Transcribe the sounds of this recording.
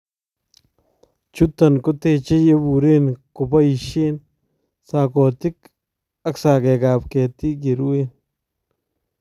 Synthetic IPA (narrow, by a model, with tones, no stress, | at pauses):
t͡ʃu˦t̪ɐ˨nkʊ˦t̪e˦t͡ʃe˦je˦bu˨ɾe˦nkʊ˨ba˦i˨ʃe˦n | sa˨kɔ˨t̪ɪ˦k | ɐ˦ksa˨kɛ˨ka˨pkɛ˨t̪i˦ɡ̬e˨ɾu˦e˦n